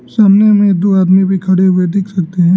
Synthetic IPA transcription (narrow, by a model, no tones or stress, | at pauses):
saːmnemẽd̪uaːd̪mibʱikʰɐɽeɦʊed̪ɪkʰsɐk̚t̪eɦɛ̃ː